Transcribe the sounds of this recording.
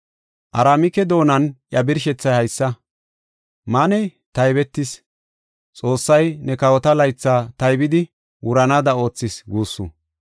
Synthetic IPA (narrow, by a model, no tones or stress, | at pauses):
ʔɐɾaːmɪkɛd̪o̞ːnɐnjɐbɪɾʃɛt͡sːɐjhɐjsːɐ | manɛj | t̪ɐjbɛt̪ːɪs | t͡sʼo̞ːsːɐjnɛkɐwɔt̪ɐlɐjt͡sːaːt̪ɐjbɪd̪ɪ | wʊɾɐnad̪ɐo̞ːt͡sːɪsɡuːsːṵ